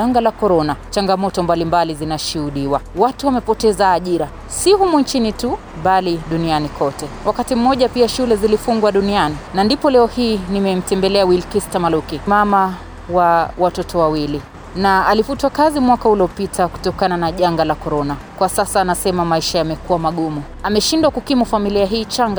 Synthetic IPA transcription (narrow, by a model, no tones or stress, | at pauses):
aŋɡalakɔɾɔnat͡ʃaŋɡamɔtɔmbalimbalizinaʃuhuɗiwawatuwamɛpɔtɛzaːʄiɾa | sihumunt͡ʃinitu | ɓaliɗunianikʰɔtɛwakatim̩mɔʄapiaʃulɛzilifuŋɡwaɗunianinandipɔlɛɔhiːnimɛm̩tɛmbɛlɛawilkistamalukimama | wawatɔtɔwawili | naalifutwakazimwakauliɔpitʰaku̥tɔkananaʄaŋɡalakɔɾɔna | kwasasaːnasɛmamaiʃajamɛkuwamaɠumu | amɛʃindwakukimufamiliaɦiːt͡ʃaŋɡa